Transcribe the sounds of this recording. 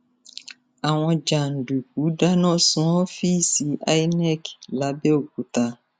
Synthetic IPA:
a˨wɔ˦d͡ʒa˨n̩˨du˨ku˨˦da˦nɔ˦sʊ̃˦ɔ˦fi˦si˨ʔa̰˦jnɛ˦˨kla˨˦be˦o˨k̚u˨ta˦

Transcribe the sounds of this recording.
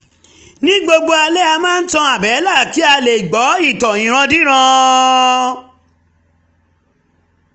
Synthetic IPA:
nĩ˦ɡ͡bo˧ɡ͡bo˧a˧lɛ˦a˧mãː˦n̩˦tɔ̃˧a˨bɛ˨˦la˦˨ki˨˦a˧le˨ɡ͡bɔ˨˦i˦˨tɔ˨ĩ˨ɾ̃ã˧di˦ɾ̃ã˧

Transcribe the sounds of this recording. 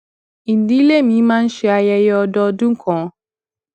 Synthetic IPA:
i˨n̩˨di˦le˦mĩ˨˦mã˦n̩˦ʃɛ˦a˨jɛ˦jɛ˦ɔ˧˨dɔ˦dũ˦ŋ̩˦kʰɔ̃˨˦

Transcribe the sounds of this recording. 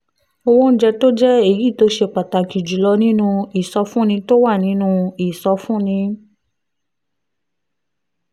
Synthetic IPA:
o˧wõ˦n̩˦d͡ʒɛ˧to˦d͡ʒɛ˦e˦˨ji˨˦˨to˧˦ʃe˧k͡pa˨ta˨ki˨d͡ʒu˨lɔ˧nĩ˦nũ˦i˨sɔ˧fũ˦nĩ˧to˦wa˦˨nĩ˨˦nũ˦i˨sɔ˧fũ˦nĩ˧

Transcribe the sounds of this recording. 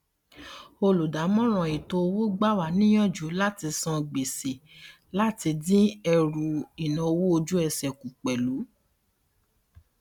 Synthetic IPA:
o˧lu˨da˨˦mɔ̃˦ɾ̃ɔ̃˨i˨to˧o˧wo˦ɡ͡ba˦˨wa˨˦nĩ˦j̃ɔ̃˦˨d͡ʒu˨˦la˦ti˧sɔ̃˧ɡ͡be˨se˨ | la˦ti˧dĩ˦ɛ˧ɾu˨i˨nã˨o˧wo˦o˧d͡ʒu˦ɛ˧sɛ˨ku˨k͡pɛ˨lu˨˦

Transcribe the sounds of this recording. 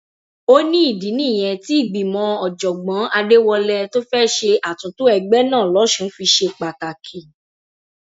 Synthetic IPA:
o˦nĩ˦i˦˨dĩ˨˦nĩ˦˨j̃ɛ̃˨˧ti˦i˦˨ɡ͡bi˨mɔ̃˨˧˦ɔ˨d͡ʒɔ˨ɡ͡bã˨˦a˧de˦wɔ˧lɛ˧to˦fɛ˦ʃe˧ʔa˨tũ˨˦tu˦ɛ˧ɡ͡bɛ˦nãː˦˨lɔ˨˦ʃũ˧˨˦fi˧ʃe˧k͡pa˨ka˨kʰi˨

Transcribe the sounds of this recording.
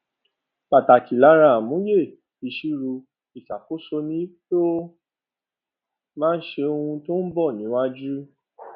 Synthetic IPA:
k͡pa˨ta˨ki˨la˨˦ɾ̃ã˦˨mũ˨˦je˦˨ | i˨˧ʃu˦ɾu˧ | i˨t͡ʃa˨ko˨˦so˧nĩ˦to˦ | mãː˦n̩˦ʃe˧o˧hũ˧to˦n̩˦bɔ˦˨nĩ˨˦wa˦d͡ʒu˦

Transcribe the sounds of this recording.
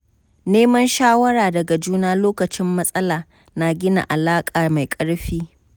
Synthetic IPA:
neː˦mɐ˦nʃaː˦wɐ˦ɾaː˨dɐ˨ɡa˨d͡ʒuː˦naː˦loː˦kɐ˨t͡ʃɪ˦mːɐ˦sʼɐ˦laː˨ | na˨ɡʲɪ˦na̰˨ʔa˨laː˦kʼaː˨ma˨jkʼɐ˦ɽɸiː˦

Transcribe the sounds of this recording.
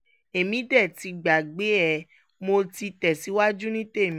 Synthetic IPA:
e˨mĩ˨˦dɛ˦˨ti˨˧ɡ͡ba˨ɡ͡be˨˦ɛ˦˨ | mo˧ti˧tɛ˨si˨˦wa˦d͡ʒu˦nĩ˦te˦˨m̃˦

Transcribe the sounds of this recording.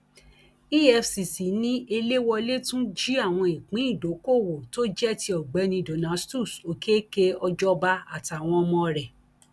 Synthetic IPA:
i˦ɛ˧fsi˨si˨˦nĩ˦e˧le˦wɔ˧le˦tũ˦d͡ʒi˦a˦˨w̃ɔ̃˧i˨k͡pĩ˨˦i˦˨do˨˦ko˦˨wo˨to˦d͡ʒɛ˦ti˧ɔ˨ɡ͡bɛ˨˦nĩ˧do˨nã˨˦stu˦˨so˨ke˦ke˦ɔ˧d͡ʒɔ˦ba˦a̰˨ta˨w̃ɔ̃˧ɔ˧mɔ̃˧ɾɛ˨

